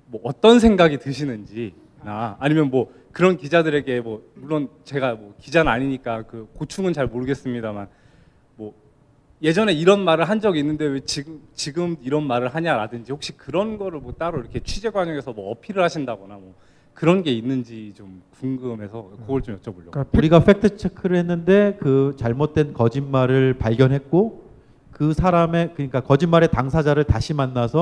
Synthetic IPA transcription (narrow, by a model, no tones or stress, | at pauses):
mwʌːt͈ʌnsʰe̞ŋɡaɡitɯɕʰinɯnd͡ʑi | naːɲimjʌnmwʌ | kɯɾʌnkid͡ʑadɯɾe̞ɡe̞mwʌmuɭːont͡ɕe̞ɡamwʌkid͡ʑanɯaɲiɲik͈akɯkot͡ɕʰuŋɯnt͡ɕaɭmoɾɯɡe̞s͈ɯmɲidaman | mwʌ | je̞d͡ʑʌne̞iɾʌnmaɾɯɭɦand͡ʑʌɡiinːɯnde̞wet͡ɕiɡt͡ɕiɡɯmiɾʌnmaɾɯɭɦaɲaɾadɯnd͡ʑihok̚ɕ͈ikɯɾʌnɡʌɾɯɭmʌt͈aɾoiɾʌkʰe̞t͡ɕʰid͡ʑe̞ɡwad͡ʑʌŋe̞sʰʌmwʌːpʰiɾɯɭhaɕʰindaɡʌnamwʌ | kɯɾʌnɡe̞inːɯnd͡ʑit͡ɕomkuŋɡɯmɦe̞sʰʌkoɡʌɭt͡ɕomjʌt͡ɕ͈ʌboʎːjʌ̰ɾiɡafʰe̞k̚tʰɯt͡ɕʰekʰɯɾɯɭhe̞nːɯnde̞kɯt͡ɕaɭmot̚t͈we̞nkʌd͡ʑinmaɾɯɭpaɭɡjʌnɦe̞t̚k͈o | kɯsʰaɾame̞kɯɲik͈akʌd͡ʑimːaɾe̞taŋsʰad͡ʑaɾɯɭtaɕʰimanːasʰʌ